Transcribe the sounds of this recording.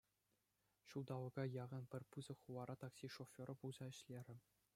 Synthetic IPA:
ɕulˠd̪ɑʋɤ̆ɡɑjɑʁɤ̆npʲɘ̆rʲpuzɤ̆χuʋɑɾɑt̪ɑksʲiʂofʲoɾɤ̆pulˠz̥ɑɘ̆ɕlʲeɾʲɘ̆

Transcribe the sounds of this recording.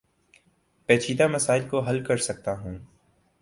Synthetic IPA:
pɛːt͡ʃʰiːd̪amɐsaːɪlkoɦɐlkɐɾsɐk̚t̪aɦũː

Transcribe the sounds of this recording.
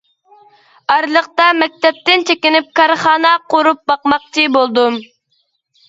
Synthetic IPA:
ɑɾlˠəqt̪ɑmɛk̚ʲt̪ɛp̚t̪ɪnt͡ʃʰekʲinɪp̚kʰɑɾχɑːnɑqoɾup̚bɑqmɑq̚t͡ʃʰibolˠd̪um

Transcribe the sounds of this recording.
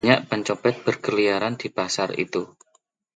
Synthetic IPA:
ɲaʔpəɲt͡ʃopɛt̪̚b̥ərkəlijaɾand̪̥i̤pasarḭt̪u

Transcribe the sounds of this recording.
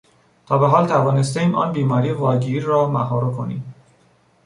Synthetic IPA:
t̪ʰɒːbeɦɒːlt̪ʰævɒːnest̪eiːmʔɒ̰ːnbiːmɒːɾiːvɒːɟiɾːɒːmæ̰ɦɒːɾokʰo̞nḭːm

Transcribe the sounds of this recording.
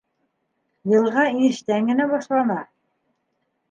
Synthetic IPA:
jɤ̆lˠʁɑiɘ̆ʃt̪æŋɡɘ̆næbɒʃlˠɑnɑ

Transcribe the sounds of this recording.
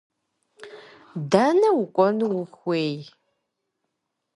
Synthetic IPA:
daːnɐwʊkʷʼɔnwʊxwʷeːj

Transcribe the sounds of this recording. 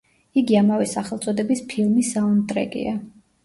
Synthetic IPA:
iɡiamavɛsaχɛlˠt̪sʼɔd̪ɛbispʰilˠmisaɔnd̪ʼɾɛ̰ɡʼḭa

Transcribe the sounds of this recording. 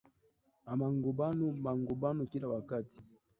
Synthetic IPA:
amaŋɡubanumaŋɡubanukilawakati̥

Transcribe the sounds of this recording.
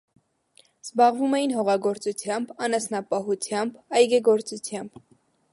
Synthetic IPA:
z̥bɑʁvumɛjinɦɔʁɑɡɔɾt͡sut͡sʰjɑmbɑnɑsnɑpɑɦut͡sʰjɑmbɑjɡɛɡɔɾt͡sut͡sʰjɑmb̥

